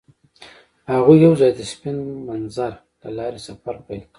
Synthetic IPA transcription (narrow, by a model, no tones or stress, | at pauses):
haɣujawzɑjd̪əspɪnmanzaɾ | lalɑɾesafaɾpajlk